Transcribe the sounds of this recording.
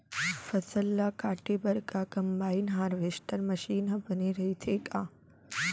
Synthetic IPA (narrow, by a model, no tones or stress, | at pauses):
fɐsəlːakaːʈebɐɾkaːkɐmbaːinɦaːɾʋeːʃʈʰəɾmɐʃiːnɦɐbɐneɾɐɦit̪ʰeːkaː